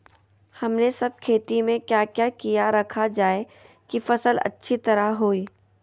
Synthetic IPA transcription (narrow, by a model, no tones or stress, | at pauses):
hɐmnesɐb̚kʰeːt̪imẽkjaːkjaːkijaɾɐkʰad͡ʒaːe | kifɐsəlɐ̰tːʃʰit̪ɐɾaɦoːiː